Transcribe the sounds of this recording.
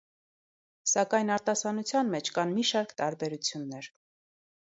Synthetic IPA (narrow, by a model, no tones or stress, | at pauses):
sɑkɑjnɑɾt̪ɑsɑnut͡sʰjɑnmɛt͡ʃʰkɑnmiʃɑɾkt̪ɑɾbɛɾut͡sʰjunːɛɾ